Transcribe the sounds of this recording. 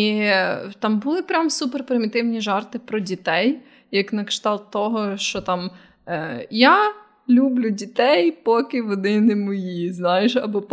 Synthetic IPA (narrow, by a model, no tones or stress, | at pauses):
it̪ɑmbʊlˠɪpɾʲamsuperpɾɪmʲɪt̪ɪwnʲiʒɑrt̪ɪpɾɔdʲit̪ɛj | jɐknɐkʃt̪ɑlˠt̪ːɔɦɔʃt͡ʃɔt̪ɑm | ja | lʲublʲʊdʲit̪ɛjpɔkɪʋɔd̪ɪnɪmɔjiznɑjɪʃɐbɔp